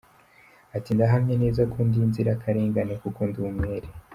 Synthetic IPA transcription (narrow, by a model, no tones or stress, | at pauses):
atindaɦamɲene̞ːzakuːndinziɾakʰaɾeːŋɡanekukuːndumweːɾe